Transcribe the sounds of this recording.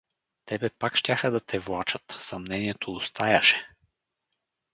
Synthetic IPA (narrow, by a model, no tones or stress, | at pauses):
t̪ɛbɛpakʃtʲaxəd̪ɐt̪ʰɛvlˠat͡ʃət̪sɐmnɛniɛt̪ʰoːst̪ajɐʃɛ̥